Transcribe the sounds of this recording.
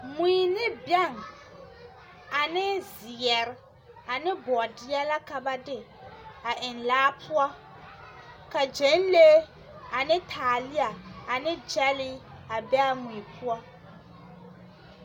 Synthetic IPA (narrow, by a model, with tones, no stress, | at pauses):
miː˨nɪ˦bjɛ˦˨ŋ | a˨nɪ˦zɪ˨ɛ˨ɾɪ˦ | a˨nɪ˦bɔ˨ɔ˨dɪ˦ɛ˦la˦ka˨ba˦dɪ˦ | a˨ʔɪ˨nlaː˦pʰʊ˦a˦ | ka˨d͡ʒe˨˦n˦le˦ | a˨nɪ˦tʰaː˨lɪ˦a˨a˨nɪ˦d͡ʒɛ˦lɪ˦a˨bɛ˦a˦muː˨pʰʊ˦ɔ˦